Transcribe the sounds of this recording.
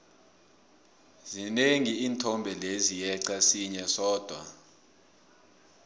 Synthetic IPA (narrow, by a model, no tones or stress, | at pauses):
zineŋiiːntʰɔmbʱɛlezijɛǀasiɲɛsɔːd̥ʱwa̰